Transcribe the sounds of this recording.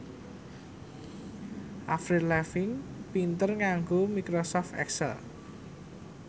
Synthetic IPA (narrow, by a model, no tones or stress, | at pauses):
ʔafɾilɛfɪŋpint̪ərŋaŋɡomikɾosɔft̪ɛ̰ksɛ̰l